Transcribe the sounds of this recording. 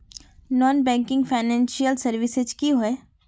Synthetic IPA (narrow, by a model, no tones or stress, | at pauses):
nɔːnbɛ̃ːŋkɪ̃ŋɡfaɪnɛ̃ːnʃijəlsɐɾʋɪsed͡ʒkiɦoeː